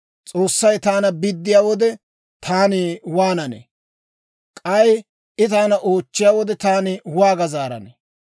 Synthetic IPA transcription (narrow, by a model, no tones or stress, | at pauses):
t͡sʼo̞ːsːɐjt̪aːnɐbɪd̪ːɪjaːwɔd̪ɛ | t̪ʰaːniwaːnɐnḛ | kʼɐj | ʔɪt̪aːnɐʔo̞ːt͡ʃːɪjaːwɔd̪ɛt̪aːnɪwaːɡɐzaːɾɐ̰nḛ